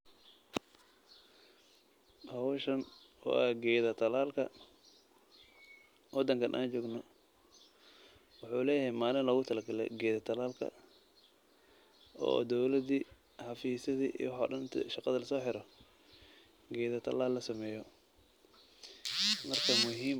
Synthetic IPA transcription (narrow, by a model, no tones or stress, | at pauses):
hɐwʃɐn | ɔ̰ːʔɐɡɛːðɐt̪ʰɐlaːlkʰɐ̰ | wɑd̪ɐŋkʰɐnʔa̰ːnt͡ʃɔːɡnɔ | wʊħuːlɛːjɛjmaːlɪnlɔɣʊt̪ʰɐlɐɡɐlɛ̰ɡɛːðɐt̪ʰɐlaːlkʰɐ̰ | ɔ̰ːd̪ɔwlɐd̪iː | ħɑfiːsɐðiʔḭwɑħɔ̰ːɗɐnɪt̪ʰʃɑqɑðɐlɐsɔːħɪɾɔ | ɡɛːðɐt̪ʰɐ̰laːlːɐsɐmɛːjɔ | mɐrkʰɐmʊɦiːm